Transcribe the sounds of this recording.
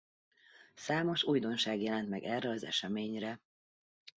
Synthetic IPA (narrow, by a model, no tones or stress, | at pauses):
saːmo̞ʃuːjd̪o̞nʃaːɡjɛlɛnt̪mɛɡɛrːɛɒzɛ̰ʃɛmeːɲrɛ